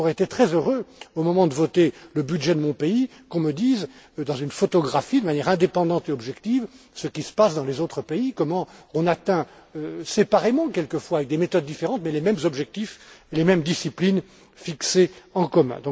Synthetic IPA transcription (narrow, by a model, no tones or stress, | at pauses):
ɔʁeet̪et̪χɛzøʁøomɔmɑ̃d̪əvɔt̪eləbyd̪ʒɛd̪əmɔ̃pei | kɔ̃məd̪iz | d̪ɑ̃zynfɔt̪ɔɡʁafid̪əmanjɛʁɛ̃d̪epɑ̃d̪ɑ̃t̪eɔbʒɛkt̪iv | səkʲisə̥pasd̪ɑ̃lezot̪χəpeikɔmɑ̃ɔ̃nat̪ɛ̃ | øsepaʁemɑ̃kʲɛlkəfwaːvɛk̚d̪emet̪ɔd̪̚ːifeʁɑ̃t̪mɛlemɛmzɔbʒɛk̚t̪ifelemɛmd̪isiplin | fikseɑ̃kɔmɛ̰̃d̪ɔ̃